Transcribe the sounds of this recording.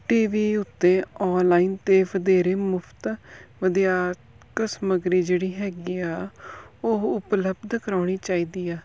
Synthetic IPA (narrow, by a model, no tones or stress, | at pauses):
ʈiːʋiːʊt̪ːẽːɔːnlaːiːnt̪eːʋəd̪eːɾeːmʊpʰt̪ʋəd̪ijaː | kəsməɡɾiːd͡ʒeːɽiːɦɛːɡiːaːoʊpləbd̪kəɾaːɽiːt͡ʃaːiːd̪iːaː